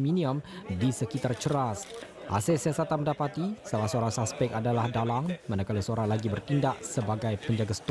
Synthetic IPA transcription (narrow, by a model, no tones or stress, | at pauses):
minĩəmdisəkit̪art͡ʃəɾas | ʔa̰sɛsiasat̪anmə̃ndapat̪isalahsəoɾaŋsaspɛk̚adalahdalaŋmanakaləsəoɾaŋlaɡibərt̪indaʔsəbaɡajpəɲd͡ʒaɡasə̥t̪